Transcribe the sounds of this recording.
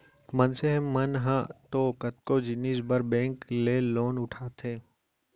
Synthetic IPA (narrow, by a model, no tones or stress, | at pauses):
mɐnseɦmːɐnɦãt̪oːkɐt̪̚koːd͡ʒɪniːsbəɾbɛ̃ːŋkleːloːnʊʈʰaːt̪ʰẽː